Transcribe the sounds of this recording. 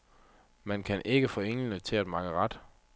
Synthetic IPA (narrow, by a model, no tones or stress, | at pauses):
mænkʰænʔe̝ɡ̥əfɔ̽ːe̝ŋ̰lənət͡sʰe̝læd̥mɑ̈ɡ̥əʁɑd̥